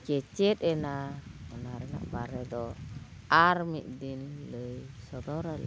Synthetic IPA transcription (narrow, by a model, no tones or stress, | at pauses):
kɛt͡ʃɛt̪ɛnaɔnaɾɛna̰ʔbaɾɛd̪ɔ | aɾmiʔd̪inləjsɔd̪ɔɾal